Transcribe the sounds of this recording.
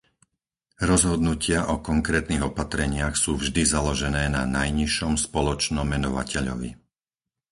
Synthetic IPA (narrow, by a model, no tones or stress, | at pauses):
ɾɔzɦɔd̪nucɪaʔɔkɔŋkɾɛːt̪niɣɔpat̪ɾɛɲɪaxsuːvʒd̪izalɔʒɛnɛːnanajɲiʃɔmspɔlɔt͡ʃnɔmɛnɔʋa̰cʰɛʎɔ̰ʋḭ